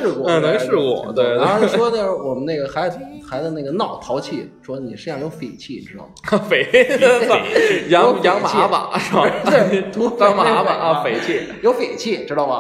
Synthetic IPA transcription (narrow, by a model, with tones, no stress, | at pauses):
ɻ̩˥˧kwɔ˥˧˥ne˥˧ʂɻ̩˥˧kwɔ̰˧˩t̪we˥˧˩ɪt̪we˥˧˥wɔ˥d̪ə˧wɔ˨˩mə˦na˥˩ɡə˩xa˧˥ɪ˩˥xa˧˥ɪd̪ə˧na˥˩ɡə˩nɑ˥˩ʊt̪ʰɑ˧˥ʊt͡ɕʰi˥˩ʂwɔ˥ni˨˩ʂɻ̩˥˧jɑ˥˩ŋjo˧˥ʊfe˨˩ɪt͡ɕʰi˥˩ʈ͡ʂɻ̩˥d̪ɑ̰˥˩ʊ˩fe˨˧˩ɪ˥˩ | jɑ˧˥o˥jɑ˧˥ŋmat͡ɕʰi˥˧˥ba̰˨˩˦ʂɻ̩˥˩ba˥˩we˥˩˧t̪ʰu˧˥ɑ˧˥ŋma˥˧˥ba˨˩˧fe˨˩ɪt͡ɕʰi˥˩ | jo˧˥ʊfe˨˩ɪt͡ɕʰi˥˩ʈ͡ʂɻ̩˥d̪ɑ˥˩ɐ˩